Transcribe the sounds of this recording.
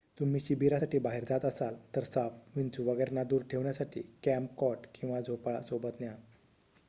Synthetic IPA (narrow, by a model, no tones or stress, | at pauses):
t̪um̤iːɕibʱiɾasaʈiːbaɦiɾd͡zat̪əsalt̪əɾsaʋʋint͡suʋəɡəjɾnad̪uːɾʈʰeʋɳjasaʈʰḭːkæmp̚kɔʈkĩw̃ʋad͡zʱopɭa̰sobət̪nja